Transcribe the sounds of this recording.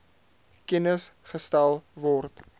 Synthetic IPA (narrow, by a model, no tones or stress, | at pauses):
kɛnəsχəstælˠvɔrt